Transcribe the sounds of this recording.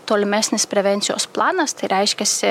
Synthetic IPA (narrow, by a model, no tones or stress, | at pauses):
t̪oːlʲɪmʲæsʲnʲɪspʲɾʲɛʋʲɛnʲsʲɪjo̰ːsplˠɑːnɐst̪ɐɪɾʲɛɪʃʲkʲɛsʲɪ